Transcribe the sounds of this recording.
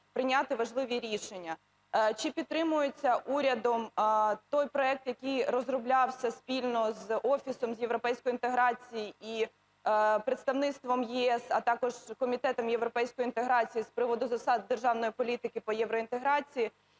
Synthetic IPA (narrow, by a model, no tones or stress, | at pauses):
pɾɪnʲat̪ɪʋɐʒlˠɪʋʲiɾʲiʃenʲːɐ | t͡ʃɪpʲid̪̚t̪ːɾɪmʊjet͡sʲːɐʔuɾʲɐd̪ɔmt̪ɔjpɾɔɛk̚t̪jɐkijɾɔzrʊblʲɑwsʲɐsʲpʲilʲnɔzɔfʲisɔmzjeʋɾɔpɛjsʲkɔjint̪eɦɾɑt͡sʲijii | pɾɪt̪st̪ɐʋnɪt̪st̪ʋɔmjiɛsɐt̪ɑkɔʒ̥kɔmʲit̪ɛt̪ɔmjeʋɾɔpɛjsʲkɔjint̪eɦɾɑt͡sʲijispɾɪʋɔd̪ʊzɐsɑd̪̚d̪erʒɑwnɔjipɔlʲit̪ɪkɪpɔjɛʋɾɔint̪eɦɾɑt͡sʲiji